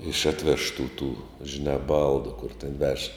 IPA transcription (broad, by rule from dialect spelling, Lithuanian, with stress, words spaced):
ɪʃ ˈɑːtʲˌʋʲæːʃtuː tuː ʒʲɪˈnɑː ˈbɐlˠdʊ kʊr tʲɛn ʋʲɛʃ